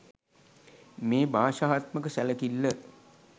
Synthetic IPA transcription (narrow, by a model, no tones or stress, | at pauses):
meːbʱaːʃaːɦat̪məkəsæləkilːə